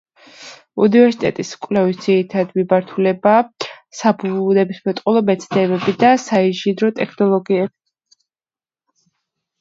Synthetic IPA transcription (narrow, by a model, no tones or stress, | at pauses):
ṵnivɛɾsi̥t̪ʼɛ̰t̪ʼiskʼwlɛvisd̪z̥iɾit̪ʰad̪mibaɾt̪ʰulɛbaː | sabunɛbismɛt̪ʼqʼulˠɔmɛt̪sʰd̪ɛbɛbid̪asaiʒid̪ɾɔt̪ʼɛkʰnɔlˠɔɡiɛbi̥